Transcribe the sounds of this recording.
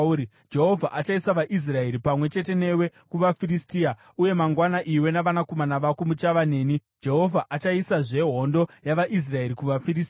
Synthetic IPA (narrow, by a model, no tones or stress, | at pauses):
d͡ʒe̞ɦo̞vʱaʔat͡ʃaisaʋaʔis̬rae̞ɾipamwe̞t͡ʃe̞te̞ne̞we̞kuʋafiristiːa | uje̞maŋɡwanaʔiwe̞naʋanakomanaʋakumut͡ʃaʋane̞ːni | d͡ʒe̞ɦo̞vʱaʔat͡ʃaisaʐe̞ɦo̞ndo̞jaʋaʔis̬rae̞ɾikuʋafiɾis